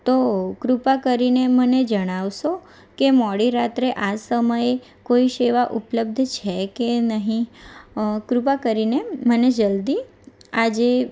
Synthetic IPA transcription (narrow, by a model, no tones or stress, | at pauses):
t̪okɾupakəɾineməned͡ʒəɽ̃aʋʃo | kemɔɽiɾat̪ɾeʔasəməje | koiʃeʋaʔupləb̚d̪ʱt͡ʃʰɛkenəɦĩ | kɾupakəɾineməned͡ʒəld̪i | ad͡ʒe